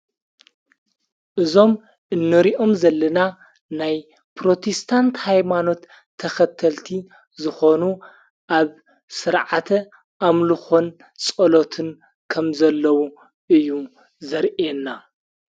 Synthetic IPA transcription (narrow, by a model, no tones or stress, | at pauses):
ʔɨzo̞m | ʔɨnːɨɾiʔo̞mzɐlːɐna | naj | pʰɾo̞t̪ʰest̪ʰant̪hajmano̞t̪ʰː | ɐxɐt̪ʰːɐlt̪ʰi | zɨxo̞nu | ʔaβ | sɨɾʕat̪ʰɐ | ʔamlɨxo̞n | t͡sʼolo̞t̪ʰɨn | kʰɐmzɐlːɐwu | ʔɨjːu | zɐɾʔenːa